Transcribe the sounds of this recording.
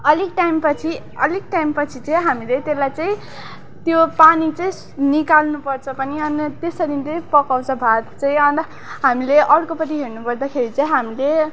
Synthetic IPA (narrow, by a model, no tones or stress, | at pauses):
ʌlik̚ʈajmpʌt͡sʰi | ʌlik̚ʈaimpʌt͡sʰit͡sʌ̃j̃ɦamilet̪elːajt͡sʌĩ | t̪jopanit͡sʌĩ | nikalnupʌrt͡sʰʌpʌniʌnt̪esʌd̪int͡sʌj̃pʌkaw̃t͡sʰʌbʱat̪t͡sʌĩj̃ʌn | ɦamileʔʌɾkopʌt̪iɦeɾnupʌrd̪akʰeɾit͡sʌĩɦamile